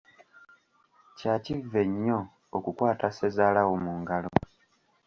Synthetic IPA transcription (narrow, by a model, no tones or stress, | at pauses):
caːcivːe̞ɲːo̞ː | kukwaːtase̞zaːlawomuːŋɡalo̞